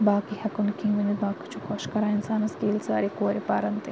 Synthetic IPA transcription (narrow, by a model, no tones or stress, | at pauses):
baːkihɐkunkĩŋʋɐnid̪baːkɐ̥t͡ʃʰukʰoʃkɐɾaːɪnsaːnɐskiːlsa̰ːɾikoːɾipaːɾɐnt̪e